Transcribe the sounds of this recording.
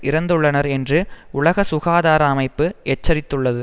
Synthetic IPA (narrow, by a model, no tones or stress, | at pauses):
ʔɪɾɐnd̪ɯɭːɐnɐɾɛndrɯʊɭɐɣɐsʊɣaːðaːɾɐːmɐɪpːɯɛt͡ʃːɐɾɪt̪ːɯɭːɐðɯ